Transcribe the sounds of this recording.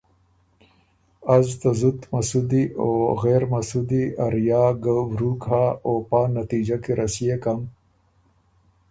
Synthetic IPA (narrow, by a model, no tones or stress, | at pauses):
azt̪azud̪mɐsud̪ioɣeːɾmɐsud̪iaɾjaːɡawɾukɦaːoːpanat̪id͡ʒakeɾʔɐsijekam